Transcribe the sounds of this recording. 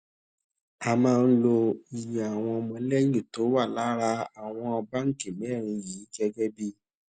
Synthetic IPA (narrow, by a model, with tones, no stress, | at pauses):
a˧mãː˦˧n̩˦lo˧i˨jã˨a˨w̃ɔ̃˧ɔ˧mɔ̃˧˦lɛ˦jĩ˦˨to˨˦wa˦˨la˨˦ɾa˧a˨w̃ɔ̃˧ɔ˧ba˦ŋ̩˦˨ke˨mĩ˨˦˨ɾ̃ĩ˧jiː˨˦ɡɛ˧ɡɛ˦bi˦